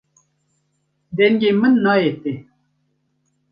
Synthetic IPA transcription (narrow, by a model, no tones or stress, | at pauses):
d̪enɡemənːɑet̪e